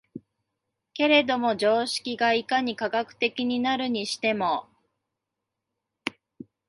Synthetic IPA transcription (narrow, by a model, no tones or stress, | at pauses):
ke̞ɾe̞d̪o̞mo̞d͡ʑo̞ːɕi̥kʲiɡaikaɲ̟ikaɡakɯ̟̥t̪e̞kʲiɲ̟inaɾɯ̟ɲ̟iɕi̥t̪e̞mo̞